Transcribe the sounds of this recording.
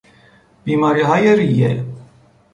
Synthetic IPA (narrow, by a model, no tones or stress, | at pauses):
b̥iːmɑɾiɦɑjeɾijɛ̰